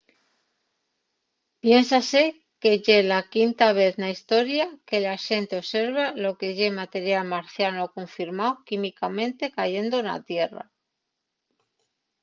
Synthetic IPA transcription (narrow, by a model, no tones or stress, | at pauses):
pje̞nsase | ke̞ʝe̞lakint̪aβ̞e̞θnaist̪o̞ɾjake̞laʃe̞nt̪eo̞βse̞ɾβalo̞ke̞ʝe̞mat̪e̞ɾjalmaɾθjanokoɱfiɾmaokimikamẽ̞nt̪e̞kaʝe̞nd̪ona̰t̪je̞ra̰